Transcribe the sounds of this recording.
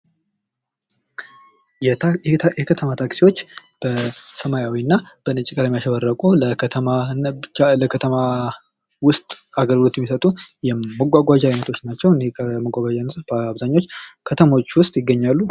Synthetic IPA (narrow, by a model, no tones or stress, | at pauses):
jɛkʰət̪ʰəmat̪ʰaksiwo̞t͡ʃːb̥əsəmajawiɨnːab̥ənɨt͡ʃʼikʼəɾajɛmijaʃəβərːəkʼuləkʰt̪ʰəmanaləkʰət̪ʰəma | wʊst̪ʼaɡəɾɡɨlo̞t̪jɛmːisət̪ʼujɛməɡʷaɡʷad͡ʒainət̪ʰo̞t͡ʃːnat͡ʃːɛwnekʰəməɡʷaɡʷad͡ʒanəbaβzaɲːot͡ʃːkʰət̪ʰəmaot͡ʃːwʊst̪ʼjɪɡːəɲːalːu